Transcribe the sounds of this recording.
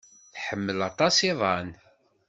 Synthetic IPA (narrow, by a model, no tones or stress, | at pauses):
θħəmːəlɑt̪ˤɑsiðˤɑn